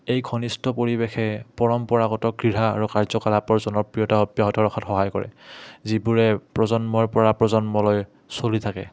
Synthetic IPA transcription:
ejkʰɔnistɔpoɹibexɛpɔɹɔmpɔɹaɡɔtɔkɹiɹa̰ːɹukaɹzɔkalapɔɹzɔnɔɹpɹijɔtaɔpjaɦɔtʰɔɹɔxʰɔtxɔɦajkɔ̰ɹɛ̰zibuɹɛpɹɔzɔnmɔɹpɔɹapɹɔzɔnmɔlɔj | solitʰakɛ̰

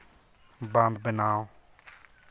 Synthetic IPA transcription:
bãnd̪bənaː

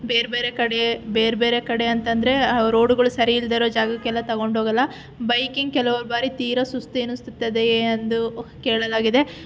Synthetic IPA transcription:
beːɾbeːɾekɐɽebe̞ːɾbe̞ːɾekɐɽe̞ɐnt̪ɐnd̪ɐɾe̞ɾo̞ːɽuɡɐɭusɐɾiild̪eːɾoːd͡ʒaːɡɐkɛlːɐt̪ɐɡo̞ɳɖɦoːɡɐlːɐ | bɐjkiŋɡ̚kɛlɐʋɐɾbaːɾit̪iːɾɐsust̪uenust̪ut̪ːɐd̪end̪ukeːɭɐlaːɡid̪e̞

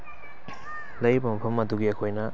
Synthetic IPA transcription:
lejbɐmɐpʰɐmɐduɡiɐkʰojna

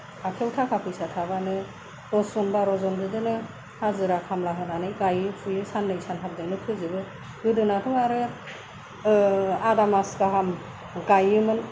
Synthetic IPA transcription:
akʰewtʰakʰapʰɯjsatʰaβanɯ | ɾɔsɔnbaɾɔzɔnbɯdɯnɯ | hazɯɾakʰamlaɦɯnanɯjɡajɯpʰujɯsanlɯjsanɦʰab̚dɯnɯkʰɯzɯbɯ | ɡɯdɯnatʰɔŋaɾɯ | adamaskaɦam | ɡajɯmɯn

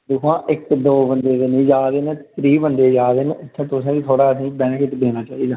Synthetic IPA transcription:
d̪ɪkʰãːʔɪkd̪oːbənd̪eːd̪enĩːd͡ʒaːd̪eːnẽt̪ɾiːbənd̪eːd͡ʒaːd̪eːneɪt̪ʰːẽːt̪ʊsẽːkit̪ʰoːɽaːəsĩːbɛ̃ːnkɪʈ̪b̪eːnaːt͡ʃaːiːd̪aː

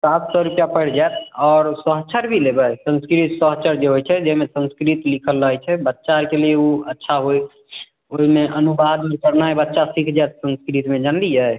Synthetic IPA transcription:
sat̪sɔɾupjapəɽd͡ʒaet̪̚ʰɔːɾsəɦt͡ʃʰəɾbʱilebəjsə̃nskɾit̪səɦt͡ʃʰəɾd͡ʒeɦojt͡ʃʰɛd͡ʒɛɦmesə̃nskɾit̪likʰəlːəɦɛt͡ʃʰɛbətːʃaɾkelieuətːʃʰaɦoj | oɦimeʔənubad̪mẽkəɾnajbətːʃasikʰd͡ʒaet̪̚sə̃nskɾit̪med͡ʒand̪id͡ʒae

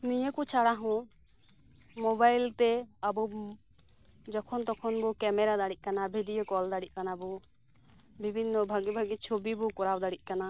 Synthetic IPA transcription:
nijəkut͡ʃʰaɽaɦɔ̃ | mɔbajlt̪ɛabɔ | d͡ʒɔkʰɔnt̪ɔkʰɔnbɔkɛmɛɾad̪aɽit̪c̚ˀkanabʱiɖijokɔld̪aɽit̪̚ˀkanabɔ | bʱibʱinːɔbʱaɡibʱaɡit͡ʃʰobibɔkɔɾabd̪aɽic̚kana

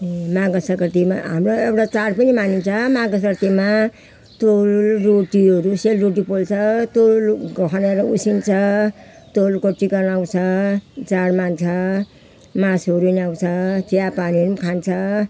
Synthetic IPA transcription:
maɡʌsʌkʌɾt̪ima̰ɦamroewʈat͡saɽpʌnimanint͡sʰʌmaɡʌsʌɾt̪ima | t̪ollroʈiʌɾuselroʈipolt͡sʰʌt̪olɡʌkʰʌneɾʌusint͡sʰʌ | t̪olkoʈːiɡʌnaw̃t͡sʰʌt͡saɽmant͡sʰʌ | masʌɾuniaw̃t͡sʰʌt͡sijapaniɾumkʰant͡sʰʌ

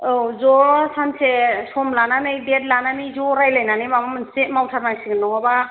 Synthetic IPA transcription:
ozɔsansʰesɔmlananɯjded̚lanamizɔɾajlajnanibamamɯnsemawtʰaɾnaksʰiɡɯnːɔŋɔba

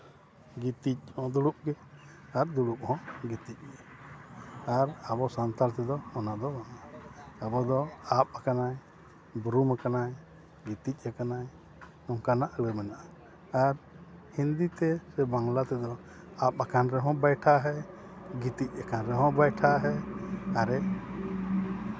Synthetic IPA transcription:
ɡit̪ic̚ˀhɔ̃d̪uɽup̚ɡɛ | aɾd̪uɽup̚hɔ̃ɡit̪ic̚ˀɡɛ | aɾabɔsant̪aɾt̪ɛd̪ɔɔnad̪ɔmanaabɔd̪ɔap̚akanaj | bɾumakanaj | ɡit̪ic̚ʲˀakanaj | ɔŋkanaʔləmɛnaʔaː | ɾ | hind̪it̪ɛsɛbaŋlat̪ɛd̪ɔ | ap̚akanɾɛɦɔ̃bajʈʰaɦɛɡit̪ic̚ˀakanɾɛɦɔ̃bajʈʰaɦɛaɾɛ

